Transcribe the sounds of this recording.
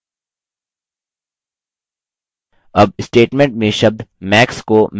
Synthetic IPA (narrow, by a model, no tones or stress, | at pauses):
ɐb̚sʈeːʈmɛ̃ɳʈmẽʃɐb̚d̪mɛːkskom